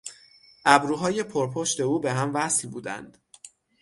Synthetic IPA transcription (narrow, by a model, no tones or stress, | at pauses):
ʔæbɾuːɦɒːje̞pʰoɾpʰoʃt̪e̞uːbe̞ɦæmvæslbuːd̪æ̰nd̪̥